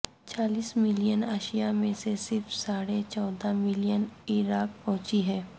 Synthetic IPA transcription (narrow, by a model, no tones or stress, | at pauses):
t͡ʃaːliːsmɪlijənaːʃijamẽsesɪɾfsaːɽet͡ʃɔːd̪amɪlijənɪɾaːk̚pɔ̃ɦt͡ʃiɦɛː